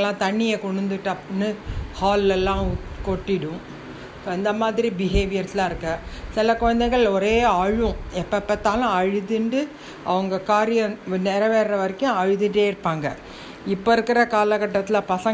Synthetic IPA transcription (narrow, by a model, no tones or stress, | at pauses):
lːãːt̪ɐɳːɪjɐkɔɳɯnd̪ɯʈːɐpːnːɯhaːlːɛlːãːkɔʈːɪɽʊ̃ | soːɪnd̪ɐmaːðɪɾibɪɦeːʋɪjɐɾt̪ːɪlãːɪɾɯkːɐsɪlɐkɔɻɐnd̪ɛɪɣɐɭɔɾeːaːɻʋʊ̃ɛpːɐpːɐt̪ːaːlʊ̃ɐɻɯðɯɳɖɯ | ɐʋɐŋɡɐkaːɾɪjɐ̃nɛɾɐʋeːɾɐʋɐɾɪkːʊ̃ɐɻɯðɯeːɪɾɯpːaːŋɡɐ | ɪpːoɪɾɯkːɪɾɐkaːlɐkɐʈːɐt̪ːɪlpɐsɐ